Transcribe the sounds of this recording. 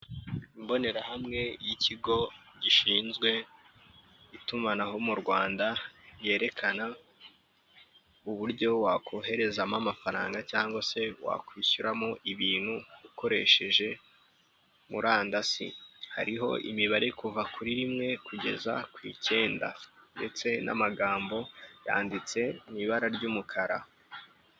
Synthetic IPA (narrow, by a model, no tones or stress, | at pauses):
imbo̞ne̞ɾahamŋe̞jicʰiɡo̞ɟiʃiːnzɡwe̞ | itumanaho̞muɾɡwaːndaje̞ːɾe̞kʰana | uβuɾɟo̞wakʰo̞ɦe̞ɾe̞zamamafaɾa̰ːŋɡacaːŋɡwase̞wa̰kwiːçuɾamo̞ʔiβiːn̥huuko̞ɾe̞̰ʃe̞ʒe̞ | muɾaːndasḭha̰ɾiɦo̞̰ʔḭmiβaɾe̞kuvakuɾiɾimŋe̞kuɟe̞̰za̰kwḭːce̞ːnda̰nde̞t͡se̞na̰maɡaːmbo̞ja̰ːndit͡se̞niβaɾaɾɟumukʰaɾa